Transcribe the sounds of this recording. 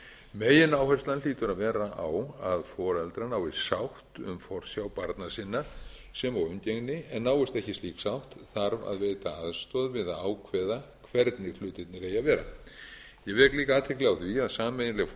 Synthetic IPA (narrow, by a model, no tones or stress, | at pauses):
meːjɪnaːwhɛrst̪lanl̥iːt̪ʏɾaðvɛːɾaʔawaðfɔːɾɛlt̪ɾanaːwɪsawht̪ʏ̰mfɔɾ̥sjawpaɾt̪nḁsɪnːa | sɛmaɾʏmceɣnɪɛnːaːwɪst̪ɛhcɪst̪liːksawht̪θaɾva̰ðveːjt̪aaðst̪ɔðvɪðaaːwkʰvɛːðakʰvɛɾt̪nɪɣlʏːt̪ɪt̪nɪɾejaðvɛːɾa̰ | jɛvɛkliːkaaːt̪ʰɪklɪɣawθviaðsaːmɛjɪnlɛɣ